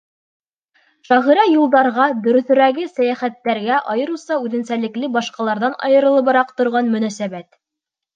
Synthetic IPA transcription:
ʃɑʁĭɾæjulˠd̪ɑɾʁɑd̪ɵ̆ɾɵ̆θɵ̆ɾæɡɘsæjæχæt̪ːæɾɡæʔɑjɤ̆ɾusɑʉðɘ̆nsælɘ̆klɘbɑʃqɑlˠɑɾðɑnɑ̰jɤ̆ɾɤ̆lˠɤβɤɾɑqt̪ŏɾʁɑnmɵ̆næsæβæt̪

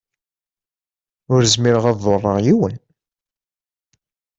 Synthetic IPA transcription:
ʊɾzmiɾəʁɑðˤorˤːəʁjiwən

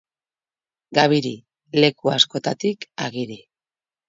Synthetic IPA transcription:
ɡaβiɾi | le̞kuasko̞t̪at̪ika̰ɣiɾi

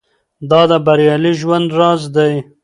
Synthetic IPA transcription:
d̪ɑd̪əbaɾjɑliʒwand̪ɾɑzd̪aj

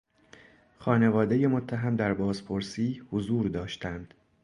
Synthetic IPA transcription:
xɒːne̞vɒːd̪eje̞mot̪ʰːæɦæmd̪æɾbɒːzpʰoɾsiːhozuːɾd̪ɒːʃt̪ænd̪̥

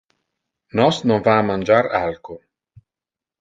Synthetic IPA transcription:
nɔsnonvaːmːand͡ʒaɾalko

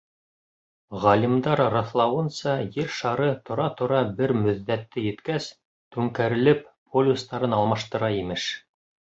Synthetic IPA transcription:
ʁɑlʲimd̪ɑɾrɑθlˠɑwɤ̆nsɑjɘɾʃɑɾɤt̪ʰŏɾɑt̪ŏɾɑbɘɾmɵ̆ðːæt̪ːɘjɘ̆t̪kæs | t̪ʉŋkæɾɘ̆lɘppolʲust̪ɑɾɤnɑlˠmɑʃt̪ɤ̆ɾɑimɘʃ

